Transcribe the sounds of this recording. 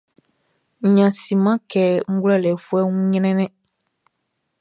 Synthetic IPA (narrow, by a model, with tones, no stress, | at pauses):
ɲ˨ɲã˨si˨mã˦kɛː˨ŋ̩˦ɡlɛ˦˨lɛ˨fu˦ɛ˦ŋũ˦ɲ˦nɛ̃˦nɛ̃˦